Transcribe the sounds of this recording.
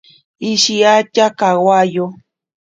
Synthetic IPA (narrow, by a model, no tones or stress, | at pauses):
iʃiat͡ʃakawajo